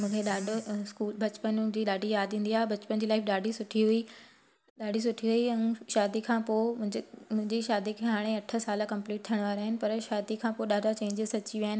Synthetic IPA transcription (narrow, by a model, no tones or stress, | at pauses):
mũːkʰeɗaːɖʱskuːlbɐt͡ɕpənd͡ʑiːɗaːɖʱijaːd̪ʱĩːnd̪iaːɦebɐt͡ɕpənd͡ʑiːlaːɪfɗaːɖʱisʊʈʰiɦui | ɗaːɖʱis̬ʊʈʰiɦuiɛ̃ʃaːd̪ikʰãːpõ | mʊ̃ɦɪ̃ɲd͡ʑiʃaːd̪ikʰeɦaːɽ̃eɐʈʰə̆saːlakɐ̃mpliːʈ̚t̪ʰjəɽ̃ʋaːɾaːɦɪnɪ̆pɐɾʃaːd̪ikʰãːpoɗaːɖʱat͡ɕẽːɲd͡ʑɪzsɐt͡ɕiʋiaːɦɪnɪ